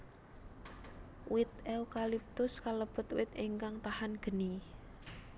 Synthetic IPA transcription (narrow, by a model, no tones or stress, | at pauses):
wɪt̪eukalip̚t̪ʊskaləb̥ʊ̤t̪wɪt̪iŋkaŋt̪ahanɡ̥ə̤ni